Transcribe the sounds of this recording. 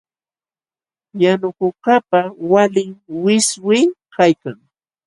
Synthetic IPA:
janʊkʊkapawalɪŋwɪswɪkajkaŋ

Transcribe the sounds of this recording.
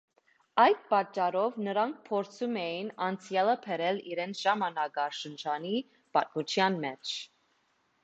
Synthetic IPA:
ɑjd̪̚pɑt͡ʃːɑɾɔvnəɾɑŋk̚ʰpʰɔɾt͡sʰumɛjinɑnt͡sʰjɑləpʰɛɾɛlḭɾɛnt͡sʰʒ̥ɑmɑnɑɡɑʃənt͡ʃʰɑni | pɑt̪̚mut͡ʃʰjɑnmɛt͡ʃʰ

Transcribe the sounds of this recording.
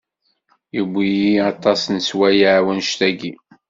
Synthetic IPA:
jəbʷːijiɑt̪ˤɑsnswæjaʕwənʃt̪æɡi

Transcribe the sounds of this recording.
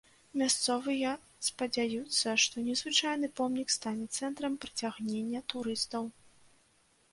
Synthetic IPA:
mʲast̪sɔvɨjɐ | spɐd͡zʲajut̪sːɐʂt̪ɔnʲɛzvɨt͡ʂajnɨpɔmnʲikst̪anʲɛt̪sɛnt̪ɾɐmpɾɨt͡sʲaɣnʲenʲːɐt̪uɾɨst̪ɐw

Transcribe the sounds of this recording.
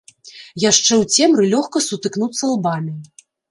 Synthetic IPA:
jaʂt͡ʂɛwt͡sʲɛmɾɨlʲɔxkɐsut̪ɨknut̪sːɐlˠbamʲi

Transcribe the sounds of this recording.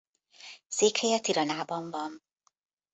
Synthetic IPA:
seːkhɛjɒt̪iɾɒnaːbɒɱvɒn

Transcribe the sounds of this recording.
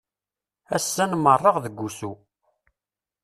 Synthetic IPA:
æsːænmərˤːəʁðəɡʷːusu

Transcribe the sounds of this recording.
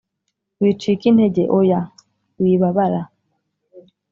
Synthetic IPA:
witikinɛɟeʔoja | wiβaβala

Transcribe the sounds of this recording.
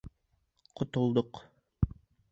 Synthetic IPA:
qʰŏt̪ŏlˠd̪oq

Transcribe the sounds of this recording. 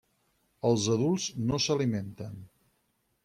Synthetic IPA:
əlˠzəðulˠznosəliment̪ən

